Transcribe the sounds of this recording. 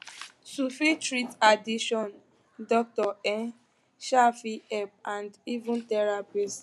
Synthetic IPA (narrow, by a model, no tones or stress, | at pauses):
sufitɹitadiʃɔ̃n | dɔk̚tɔɛ̃n | ʃafiɛp̚ãndivũntɛɹapist